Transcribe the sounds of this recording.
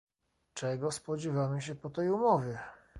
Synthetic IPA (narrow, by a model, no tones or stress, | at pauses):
t͡ʂɛɡɔspɔd͡ʑɛvamɘɕɛpɔt̪ɛjumɔvʲjɛ